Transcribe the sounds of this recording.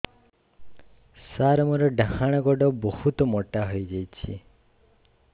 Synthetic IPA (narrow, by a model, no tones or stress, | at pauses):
saɾɔmɔɾɔɖaɦaɽ̃ɔɡɔɖɔbɔhut̪ɔmɔʈaɦɔjd͡ʒajt͡ʃʰḭ